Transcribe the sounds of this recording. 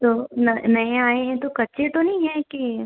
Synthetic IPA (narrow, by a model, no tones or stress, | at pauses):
t̪oːnɐnɐẽaːẽɦɛ̃t̪okɐtːʃʰet̪onɐɦĩɦɛ̃ki